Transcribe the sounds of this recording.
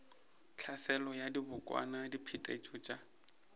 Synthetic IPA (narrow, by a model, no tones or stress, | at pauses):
t͡ɬʰasɛlɔjadibʊkʼwa̰nadipʰitʼet͡ʃʼʊt͡ʃʼa